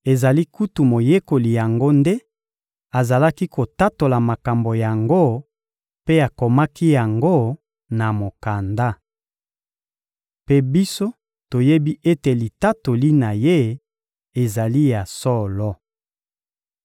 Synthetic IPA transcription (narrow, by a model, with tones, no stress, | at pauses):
e˨za˨li˦ku˦tu˨mo˨je˦ko˨li˨ja˨ŋɡo˦nde˦ | a˨za˨la˦ki˦ko˨ta˦to˨la˨ma˨ka˨mbo˨ja˨ŋɡo˦ | pe˦a˨ko˨ma˦ki˦ja˨ŋɡo˦ | na˨mo˨ka˨nda˦ | pe˦bi˦so˦ | to˨je˦bi˦ʔe˦te˨li˨ta˦to˨li˦na˨je˦ | e˨za˨li˦ja˨sɔ˦lɔ˦